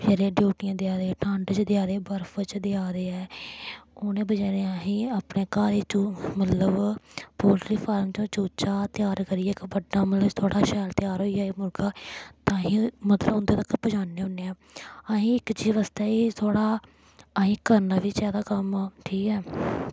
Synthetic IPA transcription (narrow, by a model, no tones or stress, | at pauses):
d͡ʒəɾeːɖjuːʈɪjãːd̪ɪjaːɾeːʈʰãːɳɖt͡ʃd̪ɪaːɾeːbəɾfət͡ʃd̪ɪaːɾeːɛː | ʊːnẽːbəd͡ʒaːɾeaːɦĩːaːpneːkaːɾeːt͡ʃõːmət̪ləbpoːlʈɾiːpʰaːɾmt͡ʃõːt͡ʃoːt͡ʃaːt̪ɪjaːɾkəɾiːɛːkbəɖnaːmət̪ləbt̪ʰoːɽaːʃɛːlt̪ɪjaːɾɦoːiaːiːmʊlɡaːt̪ãːɦĩːmət̪ləbʊnd̪eːt̪əkːpəd͡ʒaːneːʊneːɛː | aɦĩːɪkt͡ʃiːʋaːst̪ɛːiːt̪ʰoːɽaː | ɦĩːkəɾnaːʋit͡ʃɛːd̪aːkəmʈʰiːkɛː